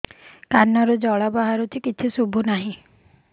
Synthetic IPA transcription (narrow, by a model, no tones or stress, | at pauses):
kanɔɾɔd͡ʒɔɭabaɦaɾut͡ʃʰikit͡ʃʰisubʱunaɦĩ